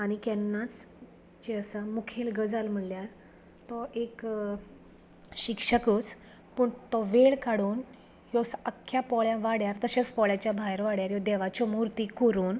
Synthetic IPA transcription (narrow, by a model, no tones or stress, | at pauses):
añikɛnːat͡s | t͡ɕeəsamukʰelɡəd͡zalm̤əɳljaɾ | t̪ɔʔek | ɕikʂəkus | pəːɳt̪ɔʋeɭkaɽuːn | jɔsəkʰːjapɔɭjãʋaɽjaɾt̪əɕet͡spɔɭjat͡ɕjabʱajɾʋaɽjaɾjɔd̪ɛʋat͡ɕɔmuɾt̪ikoɾuːn